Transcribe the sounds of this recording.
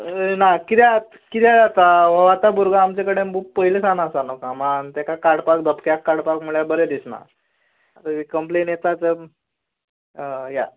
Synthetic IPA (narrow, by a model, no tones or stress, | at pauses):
nakit̪ɛat̪ | kit̪ɛd͡zat̪aʋəʋat̪abuɾɡaːmt͡ɕekəɽembupəilesanasanokamant̪ɛkakaɽpak̚d̪əpkjakːaɽpakmuɭjabəɾed̪isna̰ | t̪əikəmplenjet̪at͡sə | ja̰